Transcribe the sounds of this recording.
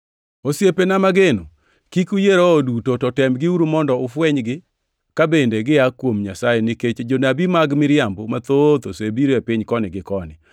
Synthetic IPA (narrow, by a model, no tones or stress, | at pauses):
osjepenamaɡeno | kikujeɾoːdutotɔtɛmɡɪuɾumɔndɔʊfwɛɲɡɪ | kabendeɡɪakːwomɲasajenɪket͡ʃed͡ʒonabimaɡmɪɾjambomat̪ot̪osoebiɾoepɪɲkɔnɪɡɪkɔnɪ